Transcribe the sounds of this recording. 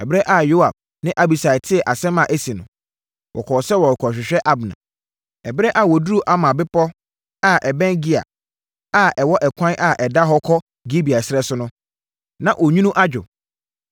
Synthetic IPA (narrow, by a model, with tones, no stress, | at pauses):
ɛ˨bɪ˦ɾɛ˦ʔa˨jo˦a˨b̚ | nɪ̃˦ʔa˦bi˨sa˨ɪ˨tʰɪ˦ɛ˨ʔa˨sɛ̃˦mã˨ʔæ˦si˨nʊ̃˨ | wʔɔ̰˨kʰɔ˨sɛ˦wɔ˨ɾkʰɔ˨ɕᶣɪ˨ɕᶣɛ˦ʔa˦bnã̰˨ | ɛ˨bɾɛ˦ʔa˨wɔ˨dɾu˦ʔa˦mã˨bɪ˦pʰɔ˦ | a˦ʔɛ˨bɛ̃˦nɡɪ˦a̰˨ | a˦˨ʔɛ˨wɔ˦ʔɛ˨kʷʰã˦ʔa˨ʔɛ˨da˦ɦɔ˦kʰɔ˦ | ɡi˦bi˨a˨sɪ˦ɾɛ˦sʊ˦nʊ̃˦ | nã˨ʔo˨ɲũ˦nũ˦ʔa˦d͡ʑᶣʊ̰˨